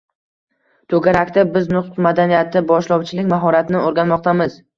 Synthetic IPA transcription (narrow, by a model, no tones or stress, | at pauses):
t̪ʰɵɡʲaɾakʲt̪abɪznʊχt̪ʰʊmad̪anijat̪ʰɪbɒʃlˠɒwt͡ʃʰɪlɪkʲmaɦɒɾat̪ʰɪnɪoɾɡʲanmɒq̚t̪ʰamɪz